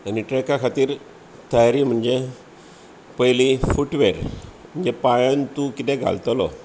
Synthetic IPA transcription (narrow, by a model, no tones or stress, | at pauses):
aniʈɾekakʰat̪iːɾ | t̪əjaɾiːm̤əɳd͡ze | pəjlifuʈʋeɾm̤əɳd͡zepajənt̪ukit̪ɛ̃ɡʱa̰lt̪lɔ̰